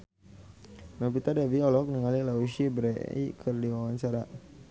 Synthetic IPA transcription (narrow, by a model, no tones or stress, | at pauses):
nɔpit̪adɛviɔlɔk̚nəŋalilauʃibɾɛḭkʰərdiwawant͡ʃaɾa